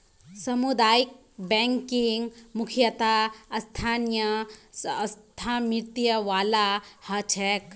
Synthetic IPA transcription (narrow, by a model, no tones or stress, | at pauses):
sɐmud̪aːjik̚ | bɛŋkiŋɡmukʰjɐt̪aɐst̪ʰaːnjɐː | st̪ʰamiɾt̪ijɐʋaːlahɐt͡ʃʰɛk